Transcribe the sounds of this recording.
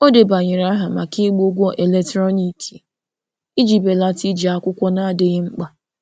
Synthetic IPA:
o˦de˨ba˨ɲɪ˨ɾa˦ɦa˨ma˨ki˦ɡ͡bo˦ɡʷɔ˦ʔe˨le˨tɾɔ˦ni˨tʰi̥˨ | i˦d͡ʒi˨be˨la˦ti˦d͡ʒi˨a˨kʷʊ˦kʷɔ˦na˦a˦dɪ˦ɣɪ˦ŋ͡m̩˦k͡pa˦

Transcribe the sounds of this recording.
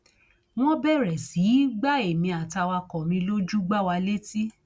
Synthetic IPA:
w̃ɔ̃˦bɛ˦˨ɾɛ˨si˨˦ɡ͡ba˦e˨mĩ˧a˨ta˧wa˧kɔ˨mĩ˧lo˦d͡ʒu˦ɡ͡ba˦wa˧le˦ti˦

